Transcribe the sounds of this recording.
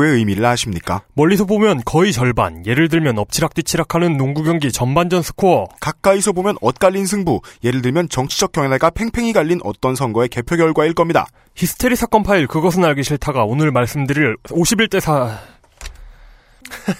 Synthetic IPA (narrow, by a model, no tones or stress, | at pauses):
e̞ɯjmiɾɯɭaɕʰimɲik͈a̰mʌʎːisʰʌbomjʌnkʌit͡ɕʌɭba̰nje̞ɾɯɭdɯɭmjʌnʌp̚t͡ɕʰiɾak̚t͈ɥit͡ɕʰiɾakʰanɯnːoŋɡuɡjʌŋɡit͡ɕʌnband͡ʑʌnsʰɯ̥kʰokak̚k͈aisʰʌbomjʌnʌt̚k͈aʎːinsʰɯŋbuje̞ɾɯɭdɯɭmjʌnt͡ɕʌŋt͡ɕʰid͡ʑʌk̚k͈jʌŋeɡapʰe̞ŋpʰe̞ŋiɡaʎːinʔʌ̰t͈ʌnsʰʌŋɡʌe̞ke̞pʰjoɡjʌɭɡwaiɭk͈ʌmɲida̰ | çisʰɯ̥tʰeɾisʰak͈ʌnpʰaiɭkɯɡʌsʰɯnaɭɡiɕʰiɭtʰaɡaonɯɭmaɭs͈ɯmdɯɾiɾoɕʰibiɭt͈e̞sʰa